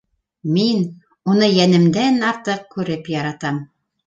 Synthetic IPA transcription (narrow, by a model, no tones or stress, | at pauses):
min | unɤjænɘ̆md̪ænɑɾt̪ɤq̚kʉɾɘpjɑɾɑt̪ɑm